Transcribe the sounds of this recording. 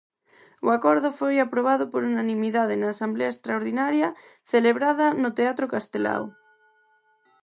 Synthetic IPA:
oakoɾðʊfojapɾoβ̞aðʊpoɾunanĩmiðað̞enaːsambleaest̪ɾaoɾðinaɾja | θeleβɾaðɐnot̪eat̪ɾokast̪ela̰w

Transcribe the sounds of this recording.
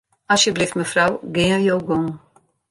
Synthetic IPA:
asjəbliftməfrawɡɪːəjowɡoŋ

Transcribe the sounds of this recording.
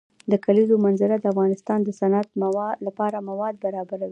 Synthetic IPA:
d̪əkalizomanzɪɾad̪əafɣɑnɪst̪ɑnd̪əsanat̪̚lapɑɾamawɑd̪̚baɾɑbaɾawi

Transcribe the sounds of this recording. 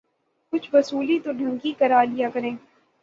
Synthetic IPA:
kʊt͡ʃʰʋɐsuːlit̪oɖʱɐ̃ŋkikɐɾaːlijakɐɾẽː

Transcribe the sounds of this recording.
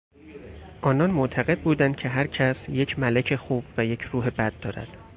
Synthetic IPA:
ʔɒːnɒnmot̪ʰæɣe̞d̪̚buːd̪ænd̪̚cʰe̞ɦæɾcʰæsje̞cʰmælecʰe̞xuːb̥væje̞cʰɾuːɦe̞bæd̪̥ːɒ̰ːɾæ̰d̪̥

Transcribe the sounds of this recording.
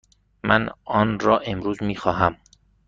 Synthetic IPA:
mʔænɒːnɾɒːʔe̞mɾuːzmiːxɒːɦæm

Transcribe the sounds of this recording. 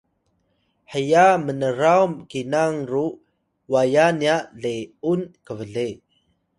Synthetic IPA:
ħəjamənəɾawmkinaŋru | wajaniaʔɮeunkəvəɮe

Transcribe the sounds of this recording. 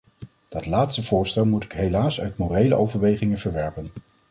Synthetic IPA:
d̥ɑtlaːtstəv̥ʊːɹstɛlˠmutɪ̥kɦejlaːsœ̰ɥtmorejlə̰ʔowvəɹʋejχɪŋənv̥əɹʋɛɹpən

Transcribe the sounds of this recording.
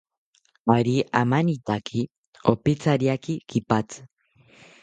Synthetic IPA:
aɾiamanit̪akʰi | opet͡saɾiakikipat͡s

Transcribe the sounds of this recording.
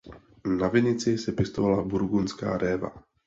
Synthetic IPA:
navɪɲɪt͡sɪsɛpjɛst̪ovalabuɾɡunska̰ːɾʔɛːva̰

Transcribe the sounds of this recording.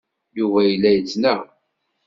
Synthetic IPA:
juvæjəlːæjət͡sːnæ

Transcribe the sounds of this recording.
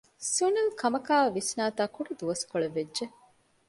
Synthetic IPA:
sunilkʰɐmɐkaːɐʋisnaːt̪aːkuɖud̪uʋɐskoɭeʋedʒe

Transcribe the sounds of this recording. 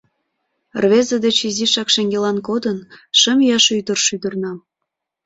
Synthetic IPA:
rβezəd̪et͡ɕiziʃɑkʃeŋɡelɑnkod̪ənʃəmjɑʃyd̪ərʃyd̪ərnɑm

